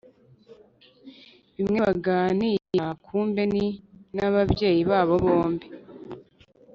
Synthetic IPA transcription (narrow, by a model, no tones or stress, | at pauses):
βimŋe̞βaɡaːnijakʰuːmbeninaβabje̞ːjiβaːβo̞βo̞ːmbi